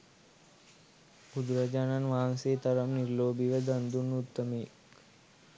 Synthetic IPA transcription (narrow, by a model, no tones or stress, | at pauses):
bud̪ɾad͡ʒananʋaːnseːt̪ɐɾəmniɾloːbiʋəd̪ɐnd̪unːut̪ːəmek